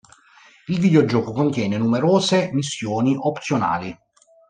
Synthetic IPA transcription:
ilvid̪eod͡ʒɔːkokont̪jɛːnenumeɾoːzemisːjoːniʔopt̪sjona̰ːli

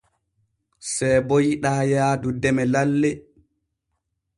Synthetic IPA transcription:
sɛjbojiɗaːjaːdudɛmɛlalːɛ

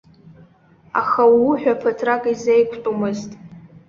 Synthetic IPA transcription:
a̰χawʊħᶣapʰatʰrakʼizejkʷʰtʼumɨztʼ

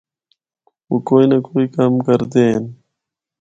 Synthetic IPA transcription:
wukojnɐkoːikamkɐɾd̪eːn

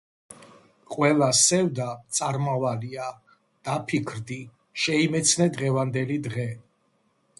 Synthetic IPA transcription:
qʼwɛlˠasɛvd̪at̪sʼaɾmavalia | d̪̥apʰikʰɾd̪i | ʃɛimɛt̪sʰnɛd̪ʁɛvand̪ɛlid̪ʁɛ

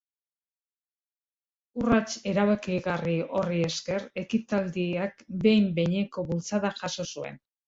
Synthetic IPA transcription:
urat͡ʃe̞ɾaβakiɣario̞rie̞ske̞ɾe̞kit̪ald̪iakbe̞jmbe̞ɲe̞ko̞βult͡saðaʝaso̞sue̞̰n

